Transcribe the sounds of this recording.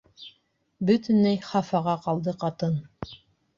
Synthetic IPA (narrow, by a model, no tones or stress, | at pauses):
bɵt̪ɘ̆næjχɑfɑʁɑqɑlˠd̪ɤqɑt̪ɤn